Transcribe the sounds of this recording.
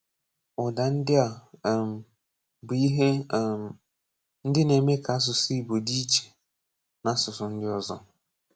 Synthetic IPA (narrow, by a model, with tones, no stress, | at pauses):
ʊ˨da˨n̩˦dɪ˦a˨m˨ | bʊ˨i˦ɦe˦˨ | n̩˦dɪ˦ne˨me˦ka˨˦s̬ʊ˨si˦i˨bo˨di˦i˦t͡ʃe̥˨ | na˨˦sʊ˨sʊ˨n̩˦dɪ˦ɔ˦zɔ˦